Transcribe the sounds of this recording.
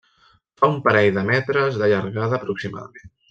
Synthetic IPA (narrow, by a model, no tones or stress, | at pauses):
t̪aumpəɾɛjðəmɛt̪ɾəzðəʎəɾɣaðəːpɾuksima̰ðə̰men